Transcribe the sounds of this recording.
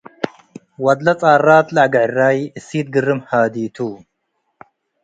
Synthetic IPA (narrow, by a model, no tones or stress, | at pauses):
wɐd̪lɐt͡sʼaːrˤaːt̪ʼlaʕɡɐʕrːaːjiʔɨsiːt̪̚ɡɨrːɨmħaːd̪iːt̪ʰuː